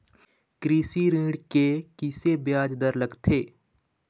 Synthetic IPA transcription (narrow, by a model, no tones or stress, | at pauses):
kɾiːsiɾĩːɖkekɪsebjaːd͡ʒd̪əɾləɡt̪ʰeː